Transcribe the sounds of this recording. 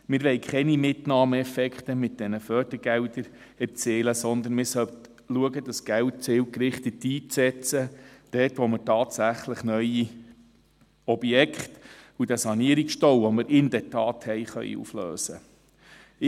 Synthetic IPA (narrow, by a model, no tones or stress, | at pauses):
mɪːɾʋɛɪkχɛnimɪtnɑːməɛfɛkχt̪əmɪt̚d̥ɛnəfœːɾd̥əɾɡ̥ɛwdəɾ | ɛɾt͡seːləsɔnd̪ənmɪːɾsœt | luəɡəd̥̪ɑsɡ̥æwt̚t͡sɪwkɾɪχt̪ətːiːt͡sɛt͡səd̥ɛːtʋɔməɾtɑːtsæχləχnœji | ɔb̥jɛkχtud̥æsɑniəɾiksʃtɔwʋɔmɪɾɪndɛɾtɑːt̪hɛɪχœ̰ʏ̰ṵflø̰ːsə